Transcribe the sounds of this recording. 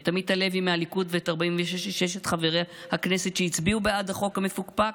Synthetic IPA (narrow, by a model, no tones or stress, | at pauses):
t̪amid̚tale̞vimealikudveetaʁbaimveʃeʃʃeʃ̬et̪χaveʁehaknesetʃeit͡sbiubeadhaχo̞khame̞fukpa